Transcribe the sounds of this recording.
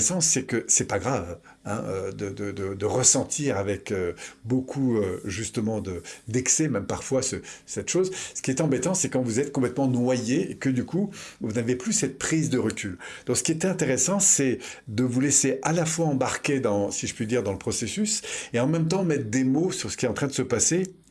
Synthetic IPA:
sɑ̃sɛkəsɛpaɡʁav | ɛ̰̃ød̪əd̪əd̪əd̪əʁəsɑ̃t̪ʰiʁavɛkøbokʰuøʒyst̪əmɑ̃d̪əd̪ɛksɛmɛmpaʁfwasəsɛt̪ʃoːzsə̥kʲiɛt̪ɑ̃bet̪ɑ̃sɛkɑ̃vuzɛt̪̚kɔ̃plɛt̪mɑ̃nwajeːkəd̪ykʰuvunaveplysɛt̪̚pχizd̪əʁəkʲyld̪̥ɔ̃ksə̥kʲiɛt̪ɛ̃t̪eʁesɑ̃sɛd̪əvuleseʔalafwaɑ̃baʁkʲed̪ɑ̃siʒəpɥyd̪iʁd̪ɑ̃ləpχɔsesyseɑ̃mɛmt̪ɑ̃mɛt̪χd̪emosyʁsə̥kʲiɛɑ̃t̪χɛ̃d̪əsəpase

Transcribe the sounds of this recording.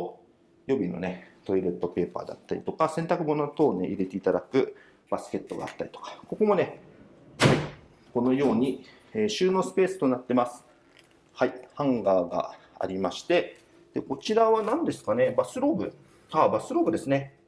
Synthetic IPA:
jo̞bʲino̞̰net̪o̞iɾet̪ːo̞pe̞ːpa̰ːd̪a̰t̪ːaɾʲit̪o̞kasẽ̞nt̪akɯ̟mo̞no̞t̪o̞ːneʔiɾe̞t̪e̞it̪ad̪akɯ̟ | b̥asɨ̥kʲe̞t̪ːo̞ɡa̰ːt̪ːaɾʲi̥t̪o̥kḁko̞ko̞mo̞ne̞ | hai | ko̞no̞jo̞ːɲ̟i | eːɕɨːno̞sɨ̥pe̞ːsɨ̥t̪o̞nat̪ːe̞masɨ̥ | haihãŋɡaːɡa̰ | a̰ɾʲimaɕi̥t̪e̞ | d̪̥eko̞t͡ɕiɾaβanãnd̪e̞sɨ̥kane̞basɨɾo̞ːbɯ̟̰ | haːbasɨɾo̞ːbɯ̟d̪e̞sɨne̞

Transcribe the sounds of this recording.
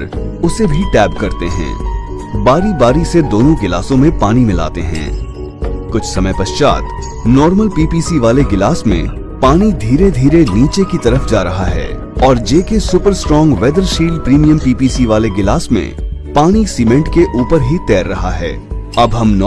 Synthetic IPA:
ɾ | ʊsebʱiʈɛːb̚kɐɾt̪eɦɛ̰̃ː | baːɾibaːɾised̪oːnõɡɪla̰ːsõmẽpaːñimɪla̰ːt̪eɦɛ̰̃ː | kʊt͡ʃʰsɐməjpɐʃt͡ʃa̰ːt̪ | nɔːɾməlpiːpiːsiʋaːleɡɪlaːsmḛ̃ | paːñid̪ʱiːɾed̪ʱiːɾeniːt͡ʃekit̪ɐɾəfd͡ʒaːɾɐɦaɦɛ̰ː | ɔːɾd͡ʒeːkesʊːpəɾsʈɾɔːŋɡʋɛːd̪əɾʃiːlpɾiːmijə̃mpiːpiːsiʋaːleɡɪlaːsmḛ̃paːɽ̃isiːmẽɳʈkeʔuːpəɾɦit̪ɛːɾːɐɦaɦɛ̰ː | ɐbɦɐmnː

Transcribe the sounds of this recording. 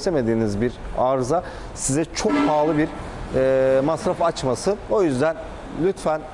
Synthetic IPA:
se̞me̞d̪iːnizbiɾaɾza | sizɛt͡ʃʰo̞k̚pʰaːlˠɯbiɾ | ɛːmasɾafat͡ʃmasɯo̞jyzd̪æn | lʲyt̪fæn

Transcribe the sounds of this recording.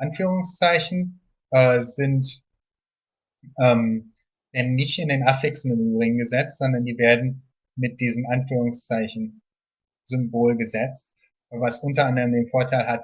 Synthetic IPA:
ʔanfyːʁ̞ʊŋst͡saɪçn̩ | ʔɛːzɪnt | ʔɛːm | v̥ɛɐdnːɪçtɪndeːnʔafɪksɪn̩ɪmyːbʁɪɡŋ̩ɡəzɛt͡stz̥ɔndɐndiːveːɐdn̩ | mɪt̚d̥iːzəm̩ʔanfyːʁ̞ʊŋst͡saɪçn̩ | zʏmboːlɡəzɛt͡st | vasʔʊntɐʔandɐʁəmdeːnfoːɐtʰaɪlɦat

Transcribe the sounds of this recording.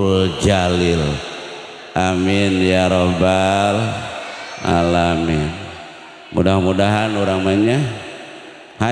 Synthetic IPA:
ld͡ʒalɪl | ʔamɪnjaɾobal | a̰lamɪn | mudahmudaɦanuɾaŋmaɲa | ha

